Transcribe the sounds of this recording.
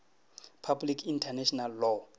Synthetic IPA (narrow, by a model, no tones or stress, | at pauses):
pʰablikʰintʰanɛʃʰɔnalːɔ